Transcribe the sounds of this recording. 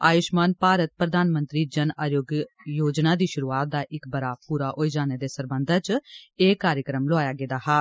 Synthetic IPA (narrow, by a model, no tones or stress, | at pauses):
aːjʊʃmaːnpaːɾət̪̚pɾəd̪aːnmənt̪ɾiːd͡ʒənaːjoːɡ | joːd͡ʒnaːd̪iːʃʊɾuːaːt̪̚d̪aːʔɪkbəɾaːpuːɾaːʔoːid͡ʒaːneːd̪eːsəɾbənd̪ʱaːt͡ʃeːkaːɾjəkɾəmlʊaːjaːɡeːd̪aːɦaː